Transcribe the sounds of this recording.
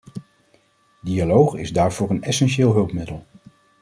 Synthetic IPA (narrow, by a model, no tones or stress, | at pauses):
dialowχɪ̰zdaːɹvʊːɹənɛsɛnʃɪːlˠɦɵlˠpmɪdəlˠ